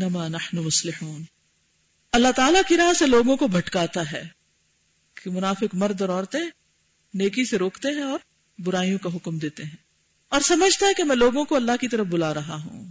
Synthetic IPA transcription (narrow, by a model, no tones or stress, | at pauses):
nːɐmaːnɐħnumʊslɪħuːn | ɐlːaɦt̪aːlakiɾaːɦseloːɡõkobʱɐʈkaːt̪aɦɛː | kemʊnaːfɪkmɐɾd̪ɔːɾɔːɾt̪ẽ | neːkiseɾoːkt̪eɦɛ̃ɔːɾ | bʊɾaːijõkaɦʊkmd̪eːt̪eɦɛ̃ː | ɔːɾsɐməd͡ʒʱt̪aɦɛkemɛ̃ːloːɡõkoɐlːaɦkit̪ɐɾəfbʊlaːɾɐɦaɦṵ̃ː